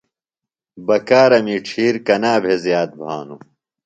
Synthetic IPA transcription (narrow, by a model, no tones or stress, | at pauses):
bɐkaːɾɐmiʈ͡ʂʰiːɾkɐnaːbʱezjaːt̪̚bʱaːnu